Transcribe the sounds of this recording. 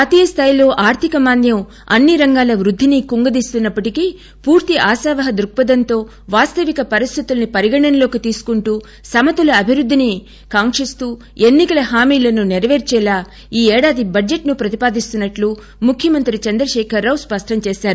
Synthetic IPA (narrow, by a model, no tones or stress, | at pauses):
aːt̪iːjɐst̪ʰaːjlo̞ːʔaːɾt̪ʰikɐmaːnd̪jɐm | ɐnːiɾɐŋɡaːlɐʋɾud̪ʱːinikuŋɡɐd̪iːst̪unːɐpːɐʈikiː | puːɾt̪iʔaːsaːʋɐɦɐd̪ɾuk̚pɐd̪ɐnt̪o̞ː | ʋaːst̪ɐʋikɐpɐɾist̪ʰit̪ulɐnipɐɾiɡɐɳɐnɐlo̞ːkit̪iːsu̥kuɳʈuː | sɐmɐt̪ulɐɐbʱiɾud̪ʱːini | kaːŋʂist̪uː | e̞nːikɐlɐɦaːmiːlɐnuniɾɐʋeːɾt͡ʃɛːlaː | iːɛːɽaːd̪ibɐd͡ʒeʈnupɾɐt̪i̥paːd̪ist̪unːɐʈlu | mukʰjɐmɐnt̪ɾit͡ʃɐnd̪ɾɐʃɛːkʰɐɾːaːwspɐʂʈɐmt͡ʃeːsaːɾu